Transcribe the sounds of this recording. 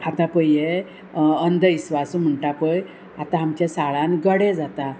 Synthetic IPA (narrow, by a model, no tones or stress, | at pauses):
at̪ãpəje | ənd̪ʱəisʋasum̤əɳʈapəj | at̪ãɦamt͡ɕasaɭãnɡəɽɛd͡zat̪a